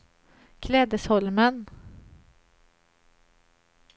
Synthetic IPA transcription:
kʰlɛːd̪əshɔlmən

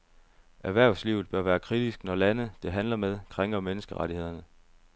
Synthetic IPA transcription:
ʔæɐʋæɐ̰ʊsliːʊð̩ˠb̥ɶɐʋæːɐkʰʁid̥isɡ̥nɒlænəd̥e̝ɦænlɐmeð̞ˠkʰʁeŋ̥ɐmenəsɡ̥əʁaɾihe̝ð̞̰ˠɐnə

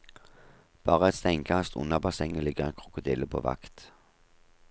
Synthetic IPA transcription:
b̥ɑːʁəɛt̪st̪ɛŋkʰɑst̪ʊ̰nəbɑsɛŋəlɪɡəʁɛːnkʰʁʊkʊd̪ɪləpʰo̰ːʋɑ̰kt̪

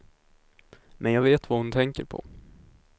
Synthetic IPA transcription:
mʔɛnjɑːɡveːt̪vahʊnt̪ʰɛŋkəɾpʰɔ̰

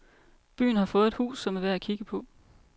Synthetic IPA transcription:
b̥y̰ːn̩hɑ̈fɔ̽ːð̩ˠed̥hṵːsːɒ̽mæʋeækʰiɡ̥əpʰɒ̽

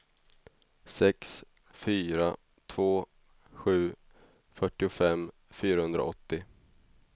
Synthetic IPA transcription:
sɛks | fyːɾa | t̪ʰv̥oː | ɧʉ̟ː | fœʈːɪʊfɛmː | fyːɾahɵnd̪ɾa̰ʔɔt̪ːɪ

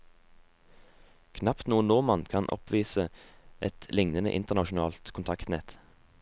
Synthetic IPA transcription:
kʰnɑpt̪nuːənːɔʁmɑnkʰɑnʔɔ̰pʰʋiːsəʔɛt̪lɪŋnənə̰ʔɪ̰nt̪əʁnɑʃʊn̩ɑːlt̪kʰʊnt̪ʰɑkt̪nɛt̪

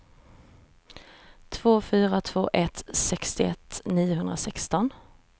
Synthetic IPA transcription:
t̪ʰv̥oːfyːɾat̪ʰv̥oːʔɛt̪sɛkst̪ɪɛt̪ːniːjʊɦɵnd̪ɾasɛkst̪ɔn

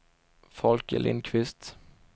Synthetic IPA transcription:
fɔlkə̰lʔɪ̰nkʰvɪst̪

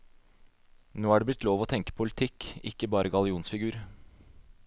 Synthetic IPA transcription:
noːæːɖeːblɪt̪ʰːloːʋoːt̪ʰɛŋkə̥pʰʊlɪt̪ʰɪkɪ̰kːəbɑːɾəɡɑlɪuːnsfɪɡʉːɾ

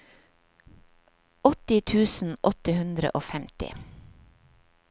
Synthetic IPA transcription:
ɔt̪ɪt̪ʰʉːsn̩ʔɔt̪əhʉnd̪ɾə̰ʔoːfɛmt̪ɪ̰

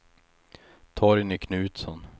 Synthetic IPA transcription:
t̪ʰɑːɾɪnɪkʰnʉ̟ːt̪sɔn

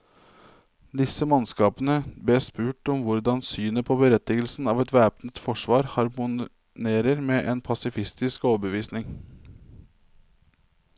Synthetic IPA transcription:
d̪ɪsəmɑnskɑːpənəb̪eːspʉːʈɔmʋʊɾd̪ɑnsyːnəpʰoːbəɾɛt̪ɪɡəlsn̩ɑːʋɛt̪ʋæːpnət̪fɔʂʋɑːɾhɑɾmʊ | neːɾəɾmeːʔeːnpʰɑsɪfɪst̪ɪskoːbəʋiːsnɪŋ

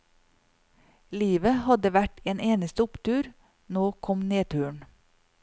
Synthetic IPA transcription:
liːʋəhɑd̪əʋæʈeːneːnəst̪əʊpt̪ʰʉːɾ | noːkʰɔmneːt̪ʰʉːɳ

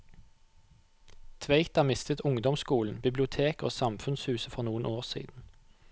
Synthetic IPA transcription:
t̪ʰʋeɪt̪ɑmɪst̪ət̪ʰʊŋd̪ɔmskuːln̩bɪblɪʊt̪ʰeːko̰ːsɑmfʉnshʉːsəfɔʁnuːənʔoːʁsḭːd̪n̩

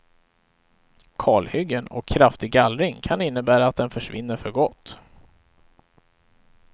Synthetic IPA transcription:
kʰɑːɭhʏɡːənɔ̰kʰːɾaft̪ɪɡalɾɪŋkʰanɪnːəbæːɾaːt̪̚d̪ɛnfœʂvɪ̰nːəɾfœɾɡɔt̪ː

